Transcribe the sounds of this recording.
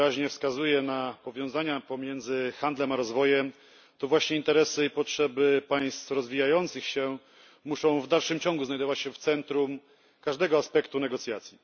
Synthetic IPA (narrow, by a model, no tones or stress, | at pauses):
ɾaʑɲɛfskazujɛnapɔvʲjɔ̃w̃zaɲapɔmʲjɛnd̪zɘxand̪lɛmaɾɔzvɔjɛm | t̪ɔvwaɕɲɛint̪ɛɾɛsɘipɔtʂɛbɘpaj̃st̪fɾɔzvʲijajɔnt̪sɘxɕɛ | muʂɔ̃w̃vd̪alʂɘmt͡ɕɔ̃ŋɡuznajd̪ɔvat͡ɕɕɛft̪sɛnt̪ɾum | kaʐd̪ɛɡɔaspɛkt̪unɛɡɔt̪sʲjat̪sʲji